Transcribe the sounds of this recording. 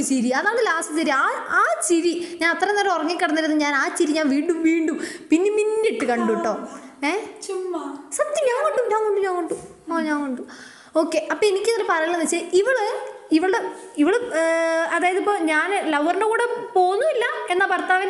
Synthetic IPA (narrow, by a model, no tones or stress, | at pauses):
t͡ɕiɾiɐðaːɭɨlaːsɨt̪ɐɾiaːaːt͡ɕiɾiɲaːnɐt̪ːrɐneːɾɐorɐŋːikːɐɽɐnːiɾunːɨɲaːnaːt͡ɕiɾiɲaːnʋiːɳɖumʋiːɳɖumpinːeminːiʈːɨkɐɳɖuʈːoːeː | sɐt̪ːimɲaːŋkoɳɖuɲaːŋkoɳɖuɲaːŋkoɳɖu | oɲaːŋkoɳɖu | o̞ːkːe̞ʔɐpːoːenikʲːɐðɐɾepɐɾɐiɭːɐnːɐt͡ɕːɐiʋiɭɨiʋiɭɨɽe | iʋiɭ | ɐðaːjɐðipːo̞ːɲaːnlɐʋɐrɳɖekuːɽepo̞ːnːuilːɐe̞nːɐpɐɾt̪ːaːʋɐn